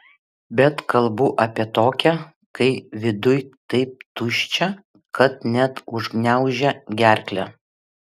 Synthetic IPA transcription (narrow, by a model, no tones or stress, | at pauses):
bʲɛt̪kɐlˠbʊʔɐpʲiɛt̪oːkʲɛ | kɐɪʋʲɪd̪ʊjt̪ɐɪp̚t̪ʊʃʲt͡ʃʲɛ | kʰɐt̪̚nʲæt̪ʊʒɡnʲæˑʊʒʲɛɡʲæɾʲklʲæ̰